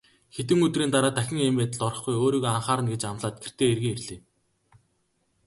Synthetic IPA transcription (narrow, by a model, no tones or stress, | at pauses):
xet̪ɘ̆ŋɵt̪riːnt̪aɾaːt̪æxʲɪ̆ŋemeːt̪ə̆ɮɔrɞ̆χɡujoːɾiːɣoːaɴχaːɾə̆nɡet͡ɕamɮaːt̪̚ɡ̥er̥t̪eːerɣiːŋerɮeː